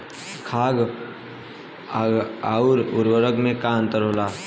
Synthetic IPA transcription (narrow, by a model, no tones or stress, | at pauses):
kʰaːɡ | auɾʊɾwəɾəɡmẽkãnt̪əɾoːlaː